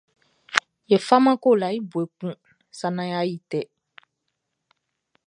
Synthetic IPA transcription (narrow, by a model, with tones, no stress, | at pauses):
je˨fa˦mã˦ko˦˨la˨i˦bu˨e˨k͡pũ˦ | sa˦nã˦ja˦ji˦tɛ˨